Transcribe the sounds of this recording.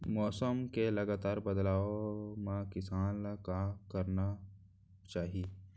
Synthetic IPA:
mɔːsəmkelɐɡaːt̪aːɾbɐd̪laːomãkɪsaːnlakakɐɾna | t͡ʃaːɦie

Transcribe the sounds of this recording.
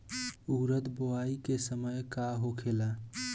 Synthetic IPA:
uɾət̪boaikesəməjkaɦokʰela

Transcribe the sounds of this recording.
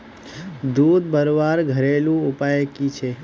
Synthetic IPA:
d̪ud̪̚bəɾʋaɾɡʱəɾelũupajəkit͡ʃʰe

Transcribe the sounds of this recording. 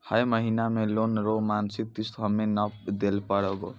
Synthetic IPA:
həjməɦinamelonɾomansik̪̚t̪ist̪ʰɔmenʌd̪elpəɽɔɡo̰

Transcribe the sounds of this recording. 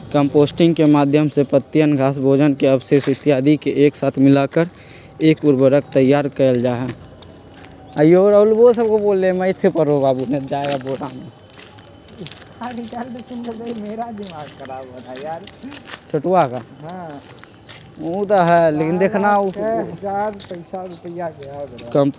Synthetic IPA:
kəmpoːsʈɪ̃ŋɡkemaːd̪ʱjəmsepət̪ːjənɡʱaːsbʱoːd͡ʒənkeəbseːsɪt̪ːɪjaːd̪ʱikeʔeːksaːt̪ʰmɪlakəɾ | eːkuɾbəɾəkt̪əjːaːɾkəld͡ʒaːɦɛ̃ | əjoɾəʊlbosəb̚koboːlemɛ̃ɪt̪ʰːepəɾobaːbuned͡ʒaːeɡaboːɽame | aɾit͡ʃalesʊnd͡ʒod̪eimeɾad̪ɪmaːɡkəɾabad̪ajaɾt͡ʃʰʊʈwakaɦã | ot̪aɦɛleːkind̪eːkʰnauɦd͡ʒaɾpəɪsaɾupəjakakəmp

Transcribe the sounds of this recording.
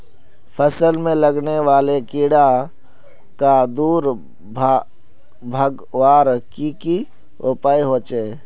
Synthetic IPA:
pʰəsəlmẽləɡneʋaːlekiːɽa | kad̪uːɾ | b | bʱəɡ | ʋaːɾkiki | ʊpaːiɦoːt͡ʃeː

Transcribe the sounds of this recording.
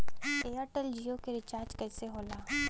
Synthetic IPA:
eːaːɾʈəld͡ʒiːokeɾɪt͡ʃaːɾd͡ʒkɛːseɦoːlaː

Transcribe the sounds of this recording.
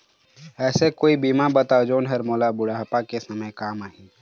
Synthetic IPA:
ɛːsekoːibiːmabət̪aːod͡ʒoːnɦɛɾmoːlabʊɽaɦpakesɐməjkaːmaːɦĩː

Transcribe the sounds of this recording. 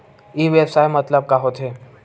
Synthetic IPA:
iʋebsaːjmət̪ləb̚kaɦot̪ʰɦeː

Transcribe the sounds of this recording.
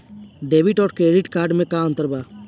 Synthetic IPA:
ɖeːbiʈɔːɾkɾeːɖiʈkaːɾɖmẽkaə̃nt̪əɾbaː

